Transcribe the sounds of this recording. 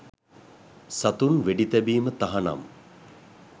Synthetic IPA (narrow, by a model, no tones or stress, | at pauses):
sat̪unʋeɖit̪ɛbiːmət̪aɦana̰m